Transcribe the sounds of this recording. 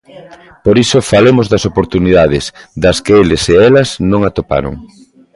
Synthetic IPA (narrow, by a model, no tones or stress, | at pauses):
poɾisofalemozðɐsopoɾt̪uniðað̞ɪsðɐskeelɪseɛlɐznõŋat̪opa̰ɾo̰ŋ